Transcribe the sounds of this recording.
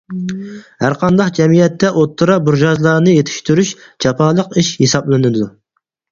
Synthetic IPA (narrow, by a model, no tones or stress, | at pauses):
hæɾqʰɑnd̪ɑqd͡ʒɛmijɛt̪ːɛʔot̪ʰːɨɾɑbuɾʒɑzlˠɑɾnɨjet̪ʰɪ̥ʃt̪yɾyʃd͡ʒɑpʰɑːlˠəqiʃhesɑblˠɨnɨd̪u